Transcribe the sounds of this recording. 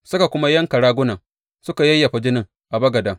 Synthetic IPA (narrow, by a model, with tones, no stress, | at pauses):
sʊ˦ka˨kʷʊ˦ma˦jɐ˦ŋkɐ˨ɽaː˦ɡʷʊ˦nɐ˨ŋ | sʊ˦ka˨jɐ˦jːɐ˨ɸa˨d͡ʒɪ˦nɪ˨ŋ | ʔa˨bɐ˦ɡɐ˨dɐ˨ŋ